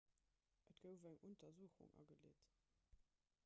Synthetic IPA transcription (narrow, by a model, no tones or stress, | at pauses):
ʔətɡ̥əʊvæŋʔontɐzuːəχṵŋɑ̰ɡəlḛːt